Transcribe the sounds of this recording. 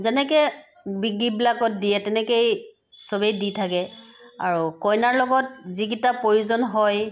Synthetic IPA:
zɛnɛkɛ | biɡibilakɔt̚dijɛtɛnɛkej | sɔbejditʰakɛa̰ɹukɔjnaɹlɔɡɔt̚ziɡitapɹoɹuzɔnɦɔj

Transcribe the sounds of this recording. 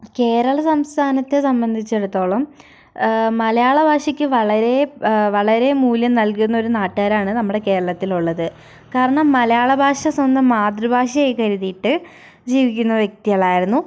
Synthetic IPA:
ke̞ːɾɐɭɐsɐmst̪ʰaːnɐt̪ːe̞sɐmbɐnd̪ʱit͡ɕːe̞ɽut̪ːo̞ːɭɐmː | ɐlɐjaːɭɐbʱaːʂɐkʲːɨʋɐɭɐɾe̞ʋɐɭɐɾe̞muːljɐmnɐlkunːɐo̞ɾunaːʈːaːɾaːɳɨnɐmːuɽe̞ke̞ːɾɐɭɐt̪ːiluɭːɐðɨ | kaːɾɐɳɐmːɐlɐjaːɭɐbʱaːʂɐswɐnd̪ɐmːaːd̪rubʱaːʂɐjekɐɾuðijiʈːɨ | d͡ʑiːʋikʲːunːɐʋjek̚t̪ijɐɭaːjiɾunːu

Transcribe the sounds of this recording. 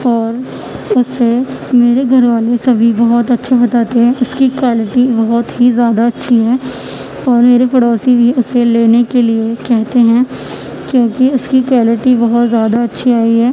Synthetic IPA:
ɔːɾ | ʊsemeːɾeɡʱɐɾʋaːlesɐbʱibɐɦɔt̪ɐtːʃʰabɐt̪aːt̪eɦɛ̃ʊskikwaːlɪʈibɐɦɔt̪ɦizjaːd̪aɐtːʃʰiɦɛː | ɔːɾmeːɾepɐɽɔːsibʱiʊseleːnekeliekɛɦt̪eɦɛ̃ | kjõːkiʊskikwaːlɪʈibɐɦɔt̪zjaːd̪aɐtːʃʰiaːiɦɛː

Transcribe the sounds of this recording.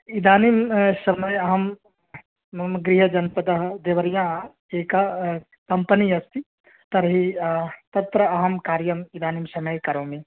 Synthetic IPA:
id̪aːnimsɐmɐjɐɦɐm | ɡɾiɦɐd͡ʒɐnpɐd̪ɐɦd̪eʋɐɾjã | eka | kɐmpəniɐst̪i | t̪ɐɾɦit̪ɐt̪ɾəɐɦɐmkaːɾjɐmid̪aːnimsɐmɐjkɐɾõmẽ

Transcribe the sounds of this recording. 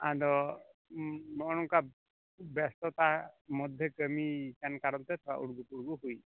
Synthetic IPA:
a̰d̪ɔ | mɔɔɽ̃ɔŋka | bɛst̪ɔt̪amɔd̪ʱjɛkəmit͡ʃankaɾɔnt̪ɛt̪ʰɔa̰ʔuɽɡupuɽɡuɦuj

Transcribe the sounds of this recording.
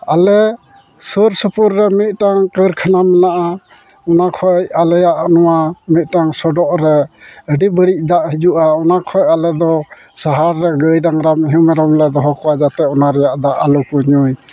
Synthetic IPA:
alɛ | suɾsəpuɾːɛmit̪̚ˀʈaŋkəɾkʰanamɛnaʔa | ɔnakʰɔjalɛjaʔnɔwamit̪̚ˀʈaŋsɔɖɔʔɾɛəɖibəɽic̚ˀd̪aʔɦid͡ʒuʔaɔnakʰɔjalɛd̪ɔ | saɦaɾːɛɡəjɾaŋɾamiɦumɛɾɔmlɛd̪ɔɦɔkɔwad͡ʒat̪ɛɔnaɾɛjaʔd̪aʔalukuɲuj

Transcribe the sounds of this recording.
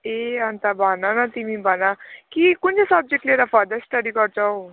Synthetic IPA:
eant̪abʱananat̪imĩbʱanakikunt͡sesʌb̚d͡ʑek̚ʈleɾafɔɾd̪əsʈəɖikɔɾt͡saw

